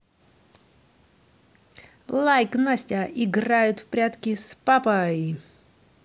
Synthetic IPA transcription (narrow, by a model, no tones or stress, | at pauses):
lˠajknasʲtʲaʔɪɡrajʊt̪fpɾʲat̪kʲɪspapəj